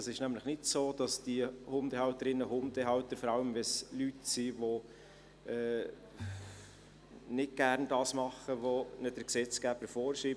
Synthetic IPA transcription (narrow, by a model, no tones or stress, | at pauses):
ɑsɪʃnæmləχnɪtsoːd̥ɑsd̥iəhʊmdɛhɑlt̪əɾɪnːəɦʊmd̥ɛɦɑwt̪əɾfɔɾɑləmʋɛslytsiʋo | ɛː | nɪt̚ɡ̥ærndɑːsmɑχəʋonəd̥əɾksɛt͡sɡ̥æːb̥əɾfɔːɾʃiːb